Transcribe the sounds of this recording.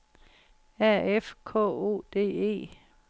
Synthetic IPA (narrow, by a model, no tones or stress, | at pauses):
æɐ̰efkʰɔ̰ːo̝̰ːd̥e̝̰ːe̝̰ː